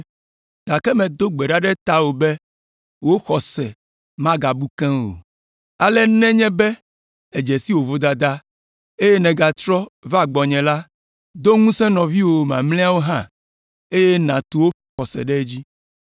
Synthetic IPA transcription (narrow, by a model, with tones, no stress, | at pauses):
d̪̥a˨kɛ˦mɛ̃˨d̪o˦ɡ͡bɛ˨ɖa˦ɖɛ˦t̪a˦wo˨bɛ˦ | wo˦xɔ˨sɛ˨ | mã˦ɡa˨bu˦kɛ̃˦wo̰˨ | a˨lɛ˦nɛ̃˦ɲɛ̃˦bɛ˦ | ɛ˨d͡ʒɛ˨si˦wo˨vo˦d̪a˨d̪a˦ | e˦jɛ˦nɛ̃˨ɡa˨t̪ɾɔ˦va˦˨ɡ͡bɔ˨ɲɛ̃˨la˦ | d̪o˦ŋũ˦sɛ̃˦nɔ̃˨vi˦wo˨mã̰˨mlɛ˦a˦wo˦ɦã˦ | e˦jɛ˦nã˨t̪u˨wo˦ | xɔ˨sɛ̰˨ɖɛ˦d͡ʑi˦